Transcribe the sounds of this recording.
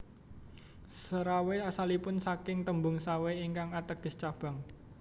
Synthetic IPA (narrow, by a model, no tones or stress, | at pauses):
səɾaweasalipʊnsakɪŋt̪əmbʊŋsaweiŋkaŋat̪əɡ̥ə̤st͡ʃab̥a̤ŋ